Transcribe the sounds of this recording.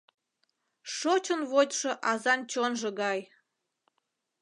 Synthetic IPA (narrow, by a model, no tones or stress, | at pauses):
ʃot͡ɕənβot̪ʲʃə̆ʔɑzɑnt͡ɕonʒə̆ɡɑj